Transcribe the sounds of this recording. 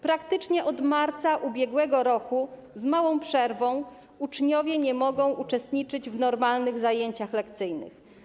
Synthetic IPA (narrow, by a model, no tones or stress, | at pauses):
pɾakt̪ɘt͡ʂɲɛʔɔd̪maɾt̪saʔubʲjɛɡwɛɡɔɾɔku | zmawɔ̃w̃pʂɛɾvɔ̃w̃ | ut͡ʂɲɔvʲjɛɲɛmɔɡɔ̃w̃ʔut͡ʂɛst̪ɲit͡ʂɘd͡ʑvnɔɾmalnɘɣzajeɲt͡ɕaxlɛkt̪sɘjnɘ̰x